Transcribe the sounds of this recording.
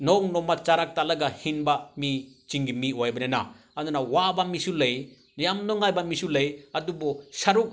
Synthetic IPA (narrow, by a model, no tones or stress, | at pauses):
nɔŋnɔmat͡ʃaɾak̚talɐɡahinbami | t͡ʃiŋɡimiojbɐnena̰ | ɐndunawabamisulɐj | nijamnɔŋajbamisulɐjɐdubɔsaɾuk̚